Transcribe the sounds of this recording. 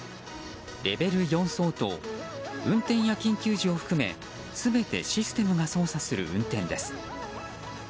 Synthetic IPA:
ɾe̞be̞ɾɯ̟jõ̞ɰ̃so̞ːt̪o̰ | ɯ̟̃nt̪ẽ̞ɰ̃jakʲĩŋkʲɨːʑio̞ɸɯ̟̥kɯ̟me̞̰ | sɨbe̞t̪e̞̰ɕisɨ̥t̪e̞mɯ̟ɡaso̞ːsasɨɾɯ̟̰ʔɯ̟̰̃nt̪ẽ̞nd̪e̞sɨ̥

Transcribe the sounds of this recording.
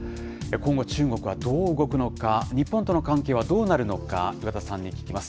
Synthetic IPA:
ekõ̞ŋɡo̞t͡ɕɨːŋɡo̞kɯ̟βad̪o̞ːɯɡo̞kɯ̟no̞kaɲ̟ipːõ̞nt̪o̞no̞kãŋke̞ːβ̞ad̪o̞ːnaɾɯ̟no̞ka̰jɯkat̪asãɲ̟ːikʲi̥kʲimasɨ̥

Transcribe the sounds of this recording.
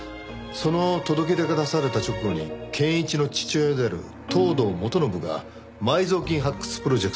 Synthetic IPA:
so̞no̞t̪o̞d̪o̞k̬e̞t̪e̞kɯd̪asaɾe̞t̪at͡ɕo̞kɯ̟ɡoɲ̟ḭkʰẽ̞ɰ̃it͡ɕino̞t͡ɕi̥t͡ɕɨːed̪eaɾɯ̟̰ | t̪ʰo̞ːd̪o̞ːmo̞t̪o̞no̞bɯ̟ɡa̰ | maizo̞ːkʲĩɰ̃ɦakːɯ̥sɨ̥pɯɾo̞ʑd͡ʑe̞kɯ̟̥t̪

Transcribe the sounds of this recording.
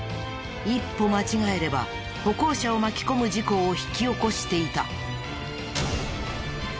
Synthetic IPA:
ipːo̞mat͡ɕiɡae̞ɾe̞ba̰ | ho̞ko̞ːɕao̞makʲi̥ko̞mɯ̟d͡ʑiko̞ːçi̥kʲio̞ko̞ɕi̥t̪e̞it̪a̰

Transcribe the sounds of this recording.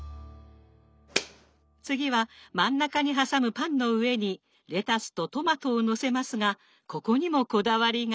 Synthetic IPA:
t͡sɨɡʲiβ̞amãnːakaɲ̟iɦasamɯ̟pãnːo̞ɯ̟e̞ɲ̟i | ɾe̞t̪asɨ̥t̪o̞t̪o̞mat̪o̞ːno̞se̞masɨɡa | ko̞ko̞ɲ̟imo̞ko̞d̪aβaɾʲi

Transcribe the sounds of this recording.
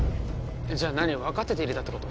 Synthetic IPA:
ed͡ʑaːnaɲ̟ioβakat̪ːe̞t̪eiɾɯ̟d̪at̪ːeko̞t̪o

